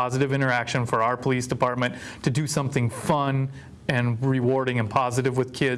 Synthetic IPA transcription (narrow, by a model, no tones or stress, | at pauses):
ɑzɨɾɨvɪ̃ɾ̃ə˞ækʃɨ̃nfə˞aʊə˞pʰəlisd̥ɨpʰɑɹt̚mɨ̃ntʰɨdɨsʌ̃mθɪ̃ŋfʌ̃n | ɨ̃nɹɪwɔɹɾɪ̃ŋɨ̃npʰɑzɨɾɨvwɨð̥kʰɪ